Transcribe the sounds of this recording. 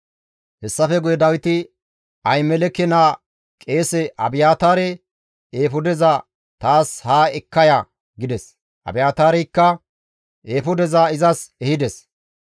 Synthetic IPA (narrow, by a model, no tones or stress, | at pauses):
hɛsːɐfɛɡʊjɛd̪ɐwɪt̪ɪ | ɐjmɛlɛkːɛnaː | kʼe̞ːsɛʔɐbɪjaːt̪aːɾɛ | eːfʊd̪ɛza | t̪aːshaːɛkːɐja | ɡɪd̪ɛs | ʔɐ̰bɪjaːt̪aːɾɛjkːɐ | ʔeːfʊd̪ɛzaɪzɐsɛhɪd̪ɛs